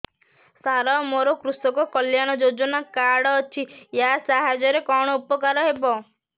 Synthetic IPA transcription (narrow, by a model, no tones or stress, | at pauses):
saɾɔmoɾɔkɾusɔkɔkɔljaɽ̃ɔd͡ʒod͡ʒɔnakaɽɔːt͡ʃʰijasaɦad͡ʒɔɾekɔɽ̃ɔupɔkaɾɔɦebɔ